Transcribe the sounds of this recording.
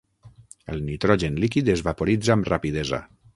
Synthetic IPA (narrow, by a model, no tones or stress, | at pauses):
əlˠnit̪ɾɔʒenlikid̪ezβapoɾid͡zaːmrapiðɛza̰